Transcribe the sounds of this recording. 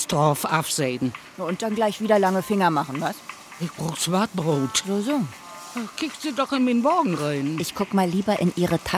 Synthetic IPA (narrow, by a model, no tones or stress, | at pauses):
stʁɔfafz̥eɪdn̩ | jʊnt̚d̥anɡlaɪçv̥iːdɐlaŋəfɪŋɐmaχn̩vas | ʔɛk̚b̥ʁoːksv̥aɐt̚b̥ʁoːtzoːzoː | akʰɪktz̥iːdɔχɪnmeːnmɔːɡŋ̩ʁaɪnʔɪçkʰʊkmaːlːiːbɐʔɪnʔiːʁətʰa